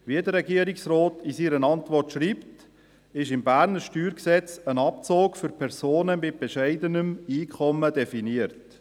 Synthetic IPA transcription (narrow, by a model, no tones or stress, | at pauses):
ʋiədəɾɛɡiəɾiksroːtʰisiːɾənɑntʋɔrtʃɾiːpt | ɪʃɪmbæːɾnəɾʃtyːɾksɛt͡sənɑpt͡soːkfʏɾpʰɛɾzoːnəmɪt̚b̥ɛʃæɪd̪ənəmiːkʰɔmədɛfiniəɾt